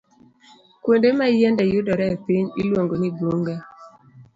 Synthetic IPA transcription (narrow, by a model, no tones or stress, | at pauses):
kwondemajɛndɛjʊdɔɾɛpiɲḭlwoŋɡonidwoŋɡa